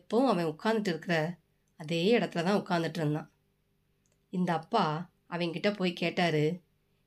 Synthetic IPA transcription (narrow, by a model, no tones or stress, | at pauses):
pːɐʊ̃ɐʋɐ̃jʊkːaːnd̪ɪʈːɪɾɯkːɯɾɐ | ɐðeːɪɽɐt̪ːɪlɐt̪ãːʊkːaːnd̪ɪʈːɯɾɯnd̪ã̰ː | ɪnd̪ɐːpːaː | ɐʋɐ̃ŋkɪʈːɐpoːjkeːʈːaːɾɯ